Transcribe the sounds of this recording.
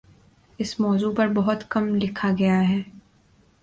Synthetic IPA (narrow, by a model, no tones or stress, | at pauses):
ɪsmɔːzuːpɐɾbɐɦʊt̪kɐmlɪkʰaɡɐjaɦɛː